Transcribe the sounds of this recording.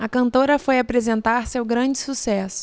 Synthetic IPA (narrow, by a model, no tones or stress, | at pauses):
ɐkɐ̃nt̪oɾɐfojapɾezẽnt̪aɾsewɡɾɐ̃d͡ʒɪsusɛsʊ̥